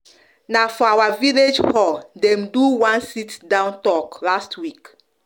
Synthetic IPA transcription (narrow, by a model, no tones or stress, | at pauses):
nafɔawaviled͡ʒhɔldɛ̃mduwãnsitdãʊ̃ntɔklastwik